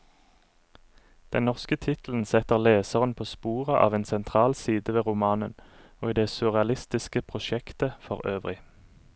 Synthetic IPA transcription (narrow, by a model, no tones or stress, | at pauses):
d̪̥ɛnnɔʁskət̪ʰɪt̪l̩n̩sɛt̪əʁleːsəʁənpʰoːspuːʁəʔɑ̰ːʋeːnsɛnt̪ʰʁɑːlsiːd̪əʋeːʁʊmɑːnən | oːiːd̪eːsʉʁɛɑlɪst̪ɪskəpʰʁʊʃɛkt̪əfɔʁøːʋʁɪ